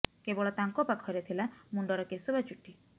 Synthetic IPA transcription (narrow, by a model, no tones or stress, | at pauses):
kebɔɭɔt̪aŋkɔpakʰɔjɾet̪ʰilamuɳɖɔɾɔkesɔbat͡ʃuʈi